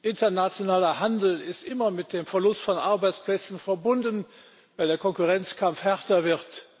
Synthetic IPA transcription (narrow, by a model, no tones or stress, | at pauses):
ʔɪntɐnat͡sjonaːlɐhandl̩ɪstʔɪmɐmɪt̚d̥eːmfɛɐlʊstfɔnʔaɐbaɪt͡splɛt͡sn̩fɛɐbʊndən | vaɪldeːɐkʰɔnkuʁɛnt͡skʰamfhɛʁtɐvɪʁt